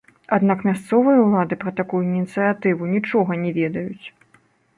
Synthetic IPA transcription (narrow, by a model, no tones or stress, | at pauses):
ad̪nakmʲast̪sɔvɨjɐwlˠad̪ɨpɾɐt̪akujuinʲit̪sɨjat̪ɨvunʲit͡ʂɔɣɐnʲɛvʲɛd̪ɐjut͡sʲ